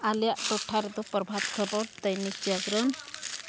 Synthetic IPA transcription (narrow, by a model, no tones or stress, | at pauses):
aljaʔʈɔʈʰːaɾed̪upɔɾbʱat̪kʰɔbɔɽt̪əjnisaɡɾɔn